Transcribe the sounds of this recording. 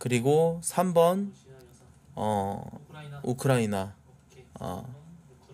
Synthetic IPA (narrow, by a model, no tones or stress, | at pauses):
kɯɾiɡosʰambʌn | ʌ̰ | ukʰɯɾaina | ʌ̰